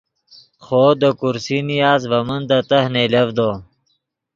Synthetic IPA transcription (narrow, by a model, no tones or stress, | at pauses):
xoːd̪əkuɾsinijaːzvɐmənd̪ət̪ɐhnelɐvd̪oː